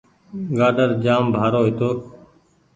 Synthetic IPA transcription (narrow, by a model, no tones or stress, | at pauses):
ɡaːɖəɾd͡ʒaːmbʱaːɾoːɦɪt̪oː